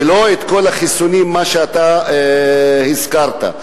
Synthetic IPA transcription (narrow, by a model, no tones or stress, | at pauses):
lo̞et̪ko̞laχisunimːaʃeat̪a | hizkaʁt̪a̰